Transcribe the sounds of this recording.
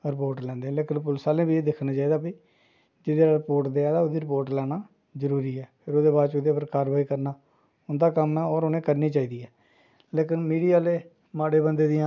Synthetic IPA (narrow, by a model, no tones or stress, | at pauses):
ɾɪpoːɾʈlɛ̃ːnd̪ẽleːkɪnpʊlsaːlẽːbiːeːd̪ɪkʰnaːt͡ʃaːiːd̪aːpiː | d͡ʒɪd̪eːɾaːɾɪpoːɾʈd̪eːaːd̪aːoːd̪iːɾɪpoːɾʈlɛːnaː | zəɾuːɾiːɛːpʰɪɾoːd̪eːbaːɾt͡ʃod̪eːpəɾkaːɾbaːiːkəɾnaː | ʊnd̪aːkəmaːɔːɾoːnẽːkəɾniːt͡ʃaːiːd̪iːɛː | leːkɪnmiːɖijaːleː | maːɽeːbənd̪eːd̪ɪjãː